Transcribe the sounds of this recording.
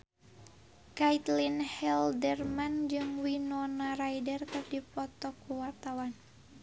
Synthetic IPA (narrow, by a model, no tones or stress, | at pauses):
kait̪linhɛldɛrmand͡ʒɨŋwinɔnaɾajdərkɨrdipɔt̪ɔkuwart̪awan